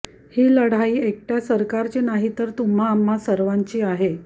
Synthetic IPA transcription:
hiːləɽ̤aiːek̚ʈjasəɾkaɾt͡ɕenaɦit̪əɾt̪um̤aːmːasəɾʋaɲt͡ɕiːaɦe

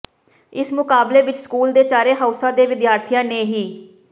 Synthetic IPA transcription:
ɪsmʊkaːbleːʋɪt͡ʃskuːld̪eːt͡ʃaːɾeːɦaːʊsãːd̪eːʋɪd̪jaːɾt̪ʰɪjãːnẽːɦiː

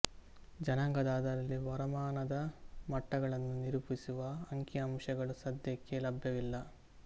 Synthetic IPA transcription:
d͡ʒɐnɐŋɡɐd̪aːd̪ɐɾɐlːiʋɐɾɐmaːnɐd̪ɐmɐʈːɐɡɐɭɐnːuniɾupisuʋɐɐŋkjɐɐmʂɐɡɐɭusɐd̪jɐkːelɐbʱjɐʋilːɐ

